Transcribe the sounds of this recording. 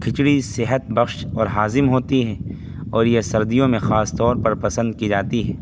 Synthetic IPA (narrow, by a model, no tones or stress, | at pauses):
kʰɪt͡ʃɽisɪɦət̪̚bɐxʃɔːɾɦaːzɪmɦoːt̪iɦɛː | ɔːɾjesɐɾd̪ijõmẽxaːst̪ɔːɾpɐɾpɐsə̃nd̪̚kid͡ʒaːt̪iɦɛː